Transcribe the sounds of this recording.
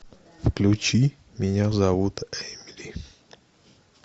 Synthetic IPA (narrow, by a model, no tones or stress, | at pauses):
fklʲut͡ʃi | miɲazawut̪ɛjmili